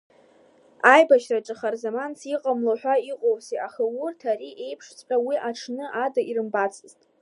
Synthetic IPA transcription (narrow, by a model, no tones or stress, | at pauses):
ajbaʃraʈ͡ʂʼɨχarzamant͡sʰiqʼamloħʷᶣaiqʼowsiaχɨwurtʰaɾiʔe̞jpʰʂt͡sʰʼpʼawiʔaʈ͡ʂʰnɨʔadairɨmbat͡sʰʼɨztʼ